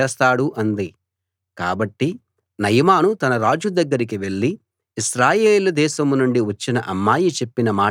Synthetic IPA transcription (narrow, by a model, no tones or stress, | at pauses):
ɛːst̪aːɽuʔɐnd̪i | ka̰ːbɐʈːi | nɐjmaːnut̪ɐnɐɾaːd͡ʒud̪ɐɡːɐɾik̬iʋe̞ɭːi | iʃɾaːjeːlud̪ɛːʃɐmnuɳɖiʋɐt͡ʃːinɐʔɐmːaːjit͡ʃe̞pːinɐmaː